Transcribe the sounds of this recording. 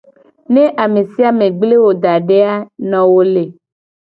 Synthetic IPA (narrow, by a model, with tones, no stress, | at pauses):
nẽ˦ʔa˨me˨si˦a˦mẽ˨ɡ͡ble˦wo˨d̪a˨ɖe˦a˦nɔ̃˨wo˦le˨